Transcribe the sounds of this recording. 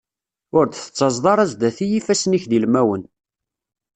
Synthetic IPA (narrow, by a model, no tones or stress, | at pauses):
ʊɾd̪θə̥t͡sːɑzˤðˤɑɾˤæzd̪æθijifæsniçðilmæwən